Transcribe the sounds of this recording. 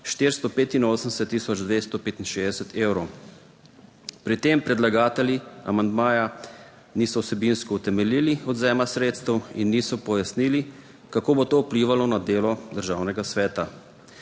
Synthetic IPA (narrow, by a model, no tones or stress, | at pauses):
ʃt̪eɾst̪ɔpeːt̪inoːsənd̪ɛsɛt̪ːiːsɔd͡ʒd̪ʋest̪ɔpeːt̪inʃeːzd̪ɛsɛt̪ʰewɾɔw | pɾit̪empɾɛd̪laɡaːt̪ɛljia̰mand̪maːja | nisɔwsɛbinskɔut̪ɛmɛliːliɔd̪zɛːmasɾeːt̪st̪əwinːisɔpɔjasniːli | kakoːbot̪oupliːʋalɔnad̪eːlɔd̪əɾʒaːwnɛɡasʋɛːt̪a